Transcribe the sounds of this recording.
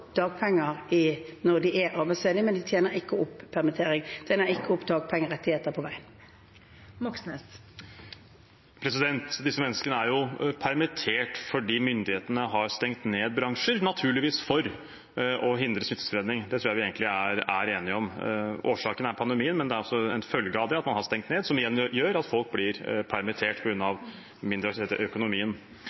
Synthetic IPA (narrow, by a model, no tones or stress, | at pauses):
d̪̥ɑːɡ̚pʰɛŋːəʁɪnɔʁd̪ɪʔɛʔɑːbæɪsfeːd̪ɪmɛnd̪ɪt̪ʰjeːnəɾɪkːəʊpːpʰːæʁmɪt̪ʰeːʁɪŋʰjeːnəʁɪkːəʊpːd̪ɑːɡ̚pʰɛŋːəʁɛt̪ːɪheːt̪əpʰɔʋæɪən | mɔksnɛ | pʰɾɛsɪd̪ɛnt̪d̪ɪsːəmɛnːəskənəæɾjʊpʰæɾmɪt̪ʰeːʈfɔɖiːmʏnd̪ɪheːt̪ənəɦɑɾst̪ɛŋt̪neːd̪̚bɾɑŋʂəɾnɑt̪ʰʉːɭɪʋiːsfɔɾ | ɔɦɪnd̪ɾəsmɪt̪ːə̥sfɔɾeːd̪nɪŋd̪ɛt̪ʰɾuːjæʋɪeːɡnlɪæɾæɾeːnɪɔmoːʂɑːkənæɾpʰɑnd̪ɛmiːənmɛnd̪ɛæɾɔsːɔɛnfœlɡəɑʋd̪ɛɑt̪mɑnhɑʂt̪ɛŋt̪neːd̪sɔmɪjɛnːjøːɾɑt̪fɔlk̚blɪɾpʰæɾmɪt̪ʰeːʈpʰɔɡɾʉnːɑʋ | mɪnd̪ɾəʋt̪ʰet̪əʔœkʊnʊmiːən